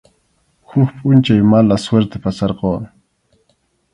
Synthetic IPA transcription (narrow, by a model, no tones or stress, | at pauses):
xʊxpʼʊnt͡ʃajmalasweɾt̪epasɑɾqoː